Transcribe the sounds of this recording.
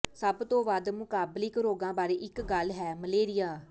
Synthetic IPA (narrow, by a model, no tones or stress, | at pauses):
səbt̪õːʋad̪mʊkaːblɪkɾoːɡãːbaːɾeːʔɪkɡəlɦɛːməleːɾɪjaː